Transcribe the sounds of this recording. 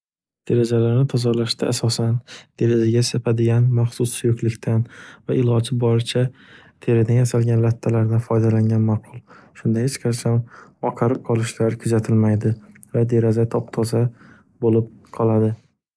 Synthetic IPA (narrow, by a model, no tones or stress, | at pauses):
d̪̥eɾad͡ʒalaɾnɪt̪ʰɒzɒɾlaʃd̪aːsɒsand̪̥e̞ɾazaɡʲasapʰad̪ɪɡʲanmaχsʊsɪjokʲlɪkʲt̪ʰanvaɪlɒd͡ʒɪbɒɾɪt͡ʃʰa | t̪ʰe̞ɾɪd̪anjasalɡʲanlat̪ʰːalaɾd̪anfɒjd̪alaŋɡʲanmaqʰʊlˠʃʊnd̪ahet͡ʃqʰɑt͡ʃʰamɒqʰɑɾɪp̚qʰɒlˠɪʃlaɾkʰʊzat̪ʰɪlmajd̪ɪ | vad̪e̞ɾazat̪ʰɒp̚t̪ʰɒza | bolɪp̚qʰɒlˠad̪ɪ